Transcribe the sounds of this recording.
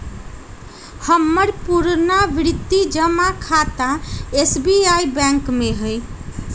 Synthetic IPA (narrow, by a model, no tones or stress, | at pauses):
həmːəɾpuɾnaʋɾɪt̪ːid͡ʒəmakʰat̪aesbiaibɛ̃ŋkmẽɦəj